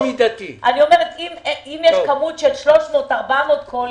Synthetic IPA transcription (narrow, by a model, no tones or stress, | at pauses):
mid̪at̪iʔanio̞meʁet̪imimjɛʃkamutʃelʃlo̞ʃmoːtaʁbamot̪̚kʰol